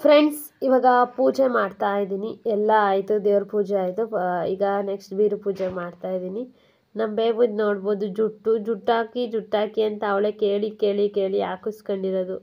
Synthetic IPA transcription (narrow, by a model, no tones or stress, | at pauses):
pʰɾeɳɖs | iʋaːɡɐpuːd͡ʒemaːɖt̪aːjid̪iːniɛlːɐaːjit̪ud̪eːʋɐɾpuːd͡ʒeaːjt̪uiːɡɐneksʈbiːɾupuːd͡ʒemaːɖt̪aːjid̪iːni | nɐmbeːbuːd̪no̞ːɽboːd̪ud͡ʒuʈːud͡ʒuʈːaːkid͡ʒuʈːaːkiɐnt̪ɐːʋɭeke̞ːɭike̞ːɭike̞ːɭija̰ːkuskoɳɖiɾod̪u